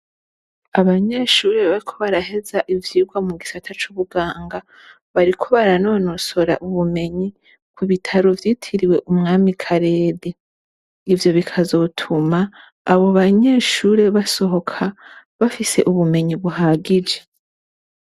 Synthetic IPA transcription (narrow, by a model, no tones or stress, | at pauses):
aβaɲe̞ːʃuːɾe̞βaɾikʰo̞βaɾaɦe̞zaʔivjiːɡwamuɡisatʰat͡ʃuβuɡaːŋɡa | βaɾikʰo̞βaɾano̞ːno̞so̞ɾa̰ʔuβume̞ɲi | kʰuβitʰaɾo̞vjiːtʰiɾiwe̞ʔumŋaːmikʰaɾe̞ːde | ivjo̞βikʰazo̞tʰumaː | βo̞βaɲe̞ːʃuːɾe̞βaso̞ɦo̞kʰaβafise̞̰ʔuβume̞ɲiβuɦaɡid͡ʒe̞